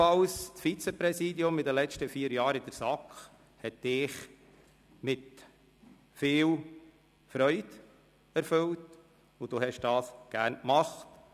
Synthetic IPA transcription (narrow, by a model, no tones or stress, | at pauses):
ɑlstfit͡sɛpɾɛsiːdiʊmɪdəlɛt͡ʃtəfiːəɾjɑːɾɪd̪əɾsɑkχ | hɛt̚d̥ɪχ | mɪt | fɪːl | fɾœʏd̥ | ɛɾfɵlt | ʊd̥ohɛʃd̥ɑːsɡ̥æːɾnkmɑχt